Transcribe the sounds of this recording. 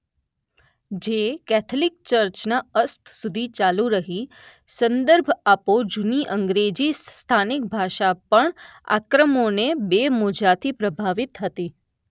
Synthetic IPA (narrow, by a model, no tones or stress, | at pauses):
d͡ʒekɛt̪ʰlɪk̚t͡ʃəɾt͡ʃnaəst̪ʰsud̪ʱit͡ʃalũɾəɦi | sənd̪əɾbʱapod͡ʒuniʔəŋɡɾed͡ʒist̪ʰanɪk̚bʱaʃapəɳa̰kɾəmonebemod͡ʒat̪ʰipɾəbʱaʋɪt̪ɦət̪i